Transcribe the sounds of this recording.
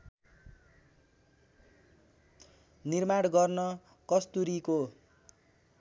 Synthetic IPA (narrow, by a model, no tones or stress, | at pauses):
nirmaɽɡʌrnʌ | kʌst̪uɾiko